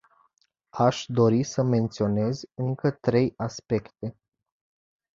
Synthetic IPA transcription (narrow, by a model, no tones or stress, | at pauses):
aʃd̪o̞ɾisəme̞nt̪sio̞ne̞zɨŋkət̪ɾe̞jaspe̞kt̪e̞